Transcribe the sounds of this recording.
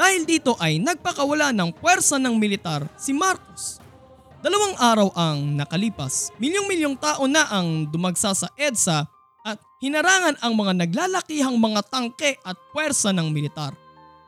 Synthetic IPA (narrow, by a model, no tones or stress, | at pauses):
d̪̥aːhɪld̪iːt̪o̞ʔɐjnɐɡ̚pɐkɐwɐlanɐŋpwɛɾsɐnɐŋmɪlɪt̪aɾsɪmaɾkos | d̪̥ɐlɐwaŋʔaːɾɐwʔɐŋnɐkɐliːpɐsmɪljoŋmɪljoŋt̪aːʔo̞naʔɐŋd̪ʊmɐɡsasɐʔɛd̪sɐ | ʔɐt̪̚hɪnɐɾaːŋɐnɐŋmɐŋanɐɡ̚laːlɐkiːɦɐŋmɐŋat̪ɐŋkɛʔɐt̪̚pwɛɾsɐnɐŋmɪlɪt̪aɾ